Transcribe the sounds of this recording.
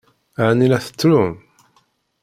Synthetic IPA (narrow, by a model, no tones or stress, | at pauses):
aʕnilæθə̥t͡sːlum